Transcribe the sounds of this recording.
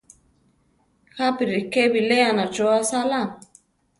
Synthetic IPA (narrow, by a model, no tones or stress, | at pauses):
xapiɾikebileanat͡ʃoasalam